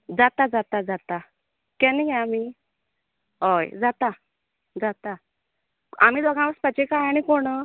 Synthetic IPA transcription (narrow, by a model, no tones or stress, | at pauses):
d͡zat̪ad͡zat̪ad͡zat̪a | kɛ̃niɡajami | ɦojd͡zat̪a | d͡zat̪a | a̰miːd̪ɔɡãʋəspət͡ɕekajaɽ̃ikoɽə